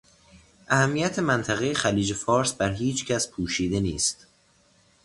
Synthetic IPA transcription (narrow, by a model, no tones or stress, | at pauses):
ʔæhæmːijæt̪ʰe̞mænt̪ʰæɣe̞jexæliːd͡ʒe̞fɒːɾsbæɾɦiːt͡ʃʰcʰæspʰuːʃiːd̪e̞niːst̪